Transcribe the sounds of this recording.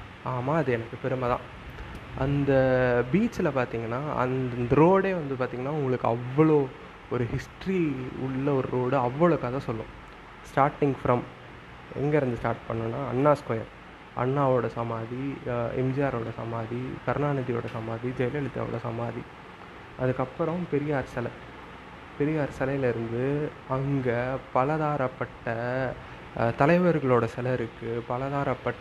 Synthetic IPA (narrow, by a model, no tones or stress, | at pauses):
aːmaːɐðɯɛnɐkːɯpɛɾɯmɐðã̰ː | ʔɐnd̪ɐbiːt͡ʃɪlɐpaːɾt̪iːŋɡɐnːaːɐ̰nnɾoːɽeːʋɐnd̪ɯpaːɾt̪iːŋɡɐnːaːʊŋɡɐɭɯkːɯɐʋːɐɭoː | ɔɾɯhɪsʈɾiʊɭːɐɔɾɯɾoːɽɯɐʋːɐɭɐkːaːðãːsɔlːʊ̰̃ | sʈaːɾʈːɪŋɡfɾɐm | ɛ̰ŋɡeɾɯnd̪ɯsʈaːɾʈpɐɳːʊ̃nːaːɐ̰nːaːskoːjɐ̰n | ʔɐ̰nːaːʋoːɽɐsɐmaːðiɛ̰md͡ʒɪjaːɾoːɽɐsɐ̰maːðikɐɾnaːnɐðijo̰ːɽɐsɐmaːðid͡ʒɛjlɛlɯt̪ːa̰ːʋo̰ːɽɐsɐ̰maːði | ʔɐðɯkːɐpːɯɾɐ̃pɛɾɪjɐɐɾsɐlɐ | pɛɾɪjɐɐɾsɐlɐjɪlɪɾɯnd̪ɯ | ɐŋɡɐpɐlɐðaːɾɐpːɐʈːɐ | t̪ɐlɐɪʋɐɾɣɐɭoːɽɐsɛlɐɾɯkːɯpɐlɐðaːɾɐpːɐʈː